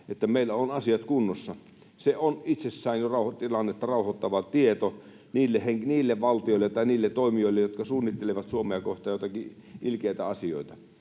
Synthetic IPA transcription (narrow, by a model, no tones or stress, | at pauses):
et̪ːæmeilːæonɑsiɑt̪kunːosːɑ | seonit̪sesːæˑinjorɑˑuhot̪ilɑnːet̪ːɑrɑˑuhot̪ːɑʋɑt̪iet̪o | niːlːeheŋkniːlːeʋʋɑlt̪ioˑilːett̪ɑiniːlːett̪oˑimioˑilːejjot̪kɑsuːnːit̪ːeleʋɑt̪suomeɑkoht̪ɑjot̪ɑki | ʔilkeit̪æɑsio̰ˑit̪ɑ